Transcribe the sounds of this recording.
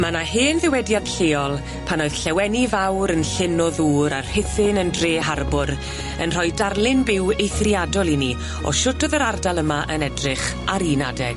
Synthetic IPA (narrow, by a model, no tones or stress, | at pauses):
manaheːnðɪwɛdjad̥ɬeːɔlˠ | pʰanoɨðɬɛwɛnivawɾənɬɪnɔðuːɾarhɪfɪnəndreːɦarbʊɾ | ənr̥ɔjdarlˠɪnbɪwejθriadɔlˠini | ɔ̰ʃʊtɔðəɾardalˠəmaʔənɛdrɪχ | aɾinadɛɡ̥